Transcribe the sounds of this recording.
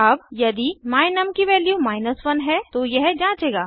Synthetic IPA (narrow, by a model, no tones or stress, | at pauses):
ɐbjɐd̪imaːɪnɐmkiʋɛːljumaːɪnəsʋɐnɦɛt̪ojɛɦd͡ʒãːt͡ʃeːɡaː